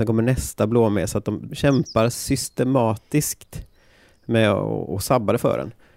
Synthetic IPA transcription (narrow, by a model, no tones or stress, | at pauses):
ɛnkʰɔmːəɳɛst̪abloːmeːsɔat̪̚d̪ɔmɕɛmpaɾsʏst̪ɛmɑːt̪ɪskt̪ | mɛɔ̰ɔsabːad̪əfœ̰ːɖɛ̰n